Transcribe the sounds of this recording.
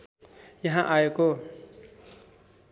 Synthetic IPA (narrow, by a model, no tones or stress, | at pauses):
jʌɦãʔajeko